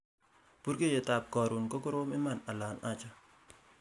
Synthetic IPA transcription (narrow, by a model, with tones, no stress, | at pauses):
pu˦ɾɡe˦je˨ta˨p̚kɔ˨ɾu˨nkɔ˦kʊ˦ɾo˦mɪ˦ma˦˨na˨la˨na˦t͡ʃa˦